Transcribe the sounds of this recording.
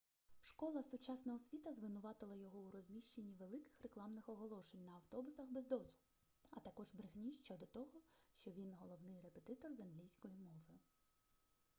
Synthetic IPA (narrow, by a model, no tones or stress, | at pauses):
ʃkɔlˠɐsʊt͡ʃɑsnɐɦɔsʲʋʲit̪ɐzʋɪnʊʋɑt̪ɪlˠɐjɔɦɔuɾɔzʲmʲiʃt͡ʃe̞nʲːiʋe̞lˠɪkɪ̥xreklˠɑmnɪxɔɦɔlˠɔʃenʲnɐɐwt̪ɔbʊsɐxbezd̪ɔzʊl | ɐt̪ɐkɔʒbɾɪɣnʲiʃt͡ʃɔd̪ɔt̪ɔɦɔʃt͡ʃɔʋʲinɦɔlˠɔwnɪjre̞pet̪ɪt̪ɔrzɐnɦlʲijsʲkɔjimɔʋɪ